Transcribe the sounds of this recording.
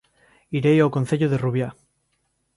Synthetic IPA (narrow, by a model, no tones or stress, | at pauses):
iɾejawkon̟θeʎoðe̞ruβja